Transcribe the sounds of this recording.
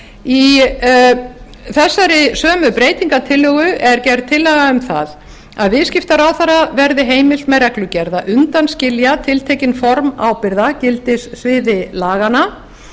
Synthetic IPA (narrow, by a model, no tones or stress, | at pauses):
i | θɛsːaɾɪsœːmʏpɾeːjt̪iŋkat̪ʰɪlːœːɣʏʔɛɾcɛɾt̪ʰːɪlːɛɣaʏmθa̰ð | aðvɪðscɪft̪aɾawθaɾːavɛɾðɪɦeːjmɪl̥t̪mɛðrɛklʏcɛɾðaʔʏnt̪anscɪljat̪ʰɪlt̪ʰɛːjcɪnfɔɾmaːwpɪɾðacɪlt̪ɪsθvɪːðɪlaːɣana